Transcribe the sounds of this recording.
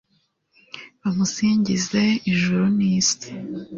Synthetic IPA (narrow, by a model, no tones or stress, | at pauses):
βamusiːɲɟize̞iʒuɾuniːsi̥